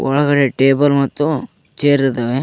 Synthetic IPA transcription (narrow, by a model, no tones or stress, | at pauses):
ɔɭɐɡɐɽeʈeːbɐlmɐt̪ːu | t͡ʃeːɾiɾt̪ːɐʋe